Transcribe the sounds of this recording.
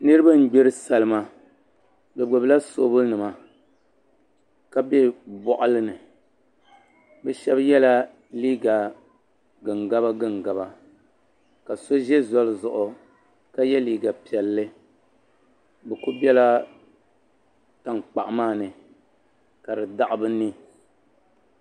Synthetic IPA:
nɨ˦ɾɨ˦ba˦n̩˦ɡ͡be˦ɾɨ˦sa˨lɨ˦ma˦ | bɛ˨ɡ͡bo˨bla˦so˦bʊ˦lnɨ˨ma˨ | ka˦bɛ˦bɔ˨ʔʊ˦lɨ˦nɨ˨ | bɛ˦ʃɛ˦bjɛ˦la˦ | liː˦ɡa˨ | ɡɨ˨ŋɡa˦ba˦ɡɨ˦ŋɡa˨ba˦ | ka˨so˦ʒɛ˦zɔ˦lɨ˨zʊ˨ʔʊ˨ | ka˦jɛ˦liː˦ɡa˨pi˨ɛ˨lːɨ˦ | bɨ˨ku˦bi˦ɛ˦la˦ | ta˦ŋk͡pa˨ʔmaː˦˨nɨ˨ | ka˨dɨ˨da˨ʔɪ˦bɨ˦ni˦

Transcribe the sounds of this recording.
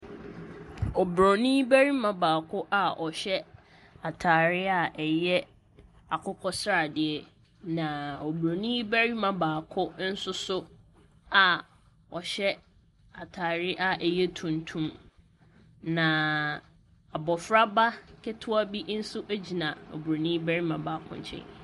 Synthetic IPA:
ɔ˨bɾɔ˨nĩ˦bæ˦ɾi˦mã˨baː˨kʰʊ˦ʔa˨ʔɔ˨ɕɛ˦ | a˨tʰaː˨ɾɪ˦a˦˨ʔɛ˨jɛ˦ | a˨kʰʊ˦kʰɔ˦sɾa˨dɪ˨ɛ˨ | nã˨ɔ˨bɾo˨nĩ˦bæ˦ɾi˦mã˨baː˨kʰʊ˦n̩˦sʊ˦sʊ˦ | a˨ | ɔ˨ɕɛ˦ | a˨tʰaː˨ɾɪ˦ʔa˨ʔɛ˨jɛ˦tʰũ˨ntʰũ˦m | nã˨ | a˨bɔ˨fɾa˦ba˦kʰɪ˦tʰʊ˦a˦bi˦n̩˦sʊ˦ʔæ˦d͡ʑi˨nã˨o̰˨bu˨ɾo˨nĩ˦bæ˦ɾi˦mã˨baː˨kʰʊ̰̃˦ɲ˦t͡ɕʰɛ̰̃˦

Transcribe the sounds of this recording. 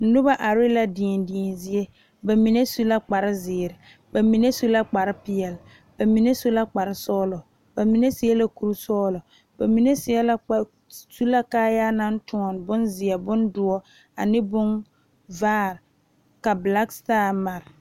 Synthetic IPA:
n̩˦nʊ˦ba˦ʔa˨ɾɪ˦la˨di˨ndiː˨nzɪ˦e˦ | ba˨mi˨ne˦su˦la˦k͡pa˨ɾɪ˦zɪː˨ɾɪ˨ | ba˨mi˨ne˦su˦la˦k͡pa˨ɾɪ˦pɪ˨ɛ˨l | ba˨mi˨ne˦su˦la˦k͡pa˨ɾɪ˦sɔː˦lɔ˨ | ba˨mi˨ne˦sɪ˨ɛ˦la˦ku˨ɾu˦sɔː˦lɔ˨ | b̥a˨mi˨ne˦sɪ˨ɛ˦la˦˨ | su˦la˦kaː˦ja˦na˦n˦tʊ˨˦ɔ˨nbʊ˦nzɪ˨ɛ˨bʊ˦ndʊ˨˦ɔ˦ | a̰˨nɪ˦bʊ˦ŋ | vaː˦˨ɾ | ka˨bla˦kstaː˦˨ma˨ɾɪ˨

